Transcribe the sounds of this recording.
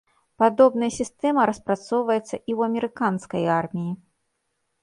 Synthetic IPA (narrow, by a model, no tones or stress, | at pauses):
pad̪ɔbnɐjɐsʲist̪ɛmɐɾɐspɾat̪sɔwvɐjɛt̪sːɐʔiwɐmʲɛɾɨkanskɐjarmʲiji